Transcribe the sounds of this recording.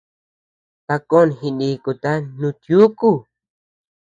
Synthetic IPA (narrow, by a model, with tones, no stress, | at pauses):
t̪a˧ko˦˨nhi˧nĩ˧ku˨t̪a˦nũ˧t̪ju˦ku˦˨